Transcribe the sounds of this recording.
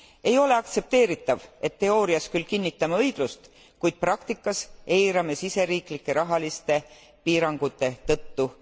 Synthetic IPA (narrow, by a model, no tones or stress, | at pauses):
e̞jo̞le̞ɑkt̪se̞p̚t̪e̞ːɾit̪ːˑɑve̞t̪ːe̞o̞ːɾiɑskylːkinʲːit̪ːˑɑmɤ̞jɡ̥lust̪ | kujd̪̥̚prɑkt̪ikːˑɑse̞jɾɑmesise̞ɾiːklikːˑe̞ɾɑɦɑlist̪e̞ | piːɾɑŋɡ̥ut̪ːˑe̞t̪ɤt̪ːu